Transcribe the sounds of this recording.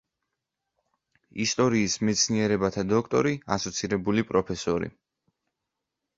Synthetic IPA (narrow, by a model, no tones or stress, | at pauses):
ist̪ʼɔɾiːsmɛt̪sʰniɛɾɛbat̪ʰad̪ɔkʰt̪ʼɔ̰ɾiasɔt̪sʰiɾɛbulipʼɾɔpʰɛsɔɾḭ